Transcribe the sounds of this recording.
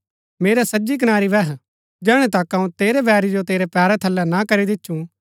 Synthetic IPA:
meːɾasɐd͡ʒik̬ɐnaːɾiʋɛɦ | d͡ʒɛːɽ̃ẽt̪akɐũt̪eːɾebɛːɾid͡ʒot̪eːɾepɛːɾɛt̪ʰɐlːɛnakɐɾid̪ɪtːʃũ

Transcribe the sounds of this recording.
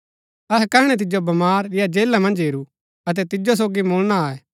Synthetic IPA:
ɐɦɛkɐɦɽ̃ɛt̪̬ɪd͡ʒobɐmaːɾːɪjad͡ʒeːlamɐ̃nd͡ʒɦeːɾu | ɐt̪̬ɛt̪ɪd͡ʒos̬oːɡimoːlnaaːɛː

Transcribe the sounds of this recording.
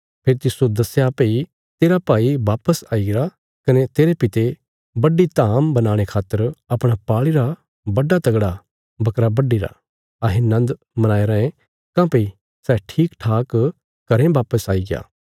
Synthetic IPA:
pʰeɾt̪ɪsud̪ɐsejapei | t̪eːɾapaːiʋaːpəsaːiɡɪɾa | kɐnet̪eːɾepɪt̪e | bɐɖit̪aːmbɐnaːɽ̃ekʰaːt̪ːəɾɐpɽ̃apaːɭiɾa | bɐɖːat̪ɐɡɽa | bɐkɾabɐɖːiɾa̰ | ɐɦẽnɐ̃nd̪ | mɐnaːeɾɐ̃ẽ | kãːpei | sɛːʈʰiːkʈʰaːk | kɐɾẽbaːpəsaːiɡɪja̰ː

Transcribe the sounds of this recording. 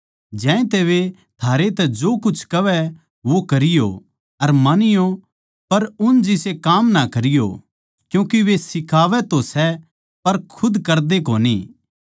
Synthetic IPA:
d͡ʒɛ̃ːẽt̪eʋe | t̪ʰaːɾet̪ɛd͡ʒoːkʊt͡ʃʰkɐʋɛ | ʋokɐɾɪjo̰ | ɐɾmanɪjo | pɐɾʊnd͡ʒɪsekaːmnakɐɾɪjo̰ | kjũːkiʋesɪkʰaːʋɛt̪osɛ | pɐɾkʰʊd̪kɐɾd̪ekoːnḭː

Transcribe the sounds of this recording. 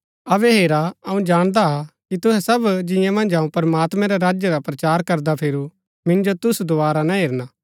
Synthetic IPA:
ɐbɛɦeːɾaɐũd͡ʒaːɽ̃d̪aɦakit̪ʊɦɛsɐbd͡ʒɪ̃jãmɐ̃nd͡ʒaũpɐɾmaːt̪mɛ̃ɾaɾaːd͡ʒjəɾapɾɐt͡ʃaːɾkɐɾd̪apʰeːɾu | mɪ̃nd͡ʒot̪ʊsd̪oaːɾanaɦeːɾnaː

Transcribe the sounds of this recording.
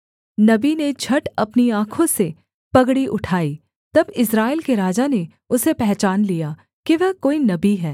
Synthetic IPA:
nɐbined͡ʒʱʰɐʈɐpniãːkʰõse | pɐɡɽiʔʊʈʰaːiː | t̪ɐbɪsɾaːɪlkeɾaːd͡ʒane | ʊsepɛɦt͡ʃaːnlija | kiʋɛɦkoːinɐbiɦɛː

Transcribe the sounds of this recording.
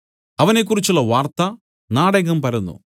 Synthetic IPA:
ɐʋɐnek̬ːurit͡ɕːulɭːɐʋaːrt̪ɐ | naːɽɐɡɐmpɐɾɐnːṵ

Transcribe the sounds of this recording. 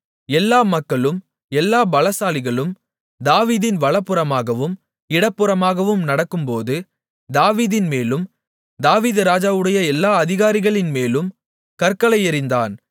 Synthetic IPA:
ɛlːaːmɐkːɐɭɯm | ɛlːaːbɐlɐsaːlɪɣɐɭɯm | d̪aːʋiːðɪnʋɐɭɐpːɯɾɐmaːɣɐʋɯm | ɪɽɐpːɯɾɐmaːɣɐʋɯmnɐɽɐkːɯmpoːðɯ | d̪aːʋiːðɪnmeːlɯm | d̪aːʋiːðɯɾaːd͡ʒaːʋɯɽɐjɐɛlːaːɐðɪɣaːɾɪɣɐɭɪnmeːlɯm | kɐɾkɐlɐɪɪɾɪnd̪aːn

